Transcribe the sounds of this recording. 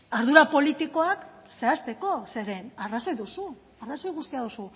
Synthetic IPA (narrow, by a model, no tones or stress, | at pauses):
aɾðuɾapo̞lit̪iko̞akse̞ast̪e̞ko̞se̞ɾe̞naraso̞jðusu | araso̞jɣust̪iaðusu